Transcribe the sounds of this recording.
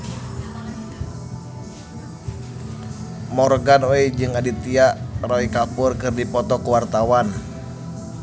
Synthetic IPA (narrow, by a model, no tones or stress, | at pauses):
mɔrɡanoɛd͡ʒɨŋadit̪iaʔrɔikapʊrkɨrdipɔt̪ɔkuwart̪awan